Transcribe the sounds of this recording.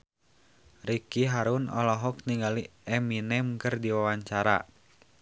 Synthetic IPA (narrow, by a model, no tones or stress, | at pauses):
rikiɦaɾunɔ̰lɔɦɔk̚niŋɡaliɛminɛmkɨrdiwawaɲt͡ʃaɾa̰